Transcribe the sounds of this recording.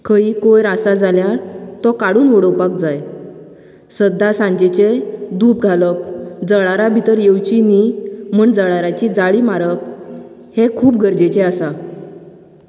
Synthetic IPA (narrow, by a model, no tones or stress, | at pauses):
kʰəiːkojɾasad͡zaljaɾt̪ɔkaɽuːnʋəɽəwpak̚d͡zaj | səd̪ːasãɲd͡ʑet͡ɕed̪uːp̚ɡʱaləp̚d͡zəɭaɾabʱit̪əɾjewt͡ɕinimuːɳd͡zəɭaɾat͡ɕid͡zaɭimaɾəp̚ | hekʰuːp̚ɡʱəɾd͡ʑet͡ɕeasa